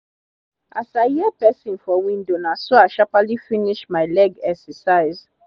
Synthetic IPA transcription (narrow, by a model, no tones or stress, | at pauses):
ʔasajiɛpɛsĩnfɔwĩndonasoaʃapalifiniʃmaɪlɛɡɛksəsaɪz